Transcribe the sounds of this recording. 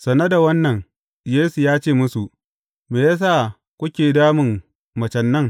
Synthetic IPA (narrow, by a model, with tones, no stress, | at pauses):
sɐ˨nɐ˦da˨wɐ˦nːɐ˨ŋ | jeː˦su˨jaː˦t͡ʃeː˦˨mʊ˦su˨ʔ | meː˨jaː˦s̬aː˦˨ | kʷʊ˦kʲeː˨daː˦mɪ˨ŋ | mɐ˨t͡ʃɐ˨nːɐ˦˨ŋ